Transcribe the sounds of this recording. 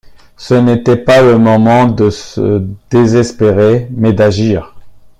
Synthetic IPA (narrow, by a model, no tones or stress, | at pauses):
sənet̪ɛpaləmɔmɑ̃d̪əsə̰d̪̥ezɛspeʁemɛd̪aʒiːʁ